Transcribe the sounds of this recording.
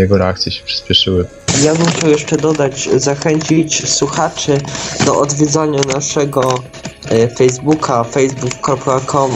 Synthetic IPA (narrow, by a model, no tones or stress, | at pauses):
jɛɡɔɾɛak̚t̪sʲjɛɕɛ̥pʂɘ̥spʲjɛʂɘwɘ | jabɘmxt͡ɕawjɛʂt͡ʂɛd̪ɔd̪ad͡ʑzaxɛɲt͡ɕit͡ɕswuxat͡ʂɘd̪ɔʔɔd̪vʲjɛd̪zaɲanaʂɛɡɔ | fɛjzbukʰafɛjzbukːɾɔpkakʰɔm